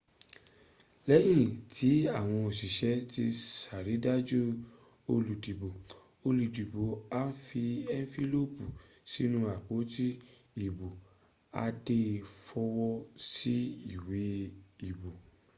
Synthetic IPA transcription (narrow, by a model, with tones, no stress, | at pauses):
lɛ˨˦j̃ĩ˦˨tʰi˨˦a˦˨w̃ɔ̃˧o˨si˨ʃɛ˨˦ti˧sa˨ɾi˨˦da˦d͡ʒu˦ | o˧lu˨di˨bo˨ | o˧lu˨di˨bo˨a˦n̩˦fi˧ɛ˦n˦fi˦lo˦pu˨ | si˦nũ˦a˨k͡po˨˦ti˦i˦˨bo˨ | a̰˧de˦˨fɔ˧wɔ˦si˦i˦˨we˨˦i˨bo˨